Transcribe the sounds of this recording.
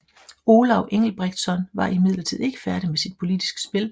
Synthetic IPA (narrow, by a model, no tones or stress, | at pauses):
o̝ːlɑʊʔeŋ̰l̩b̥ʁɛɡ̥d̥sɒ̽nʋɑ̈ʔimið̞̰ˠlɐt͡sʰið̞̰ˠe̝ɡ̥ə̥fæɐɾ̥imesid̥̚pʰo̝lid̥isɡ̥ə̥sb̥e̝l